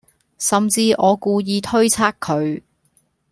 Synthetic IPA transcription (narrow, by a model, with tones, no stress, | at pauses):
sɐ˨mt͡siː˧ʔɔː˨˧kuː˧jiː˧t̪ʰɵ˥ɥt͡sʰaː˥kʰɵ˨˧ɥ